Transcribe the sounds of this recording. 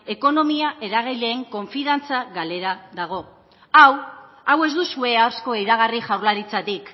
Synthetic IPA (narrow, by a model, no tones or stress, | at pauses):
e̞ko̞no̞miaʔe̞ɾaɣ̞ijle̞ːŋko̞ɱfiðant͡saɣale̞ɾaðaɣ̞o̞ | aw | awe̞zd̪usue̞awsko̞eɾaɣ̞ariʝawɾlaɾit͡sat̪ik